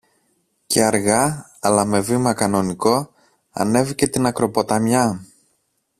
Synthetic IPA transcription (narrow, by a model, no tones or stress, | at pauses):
cʰeɐɾɣɐ | ɐlɐme̞vimɐkɐno̞niko̞ | ɐ̰ne̞vice̞t̪inɐkɾo̞po̞t̪ɐmɲɐ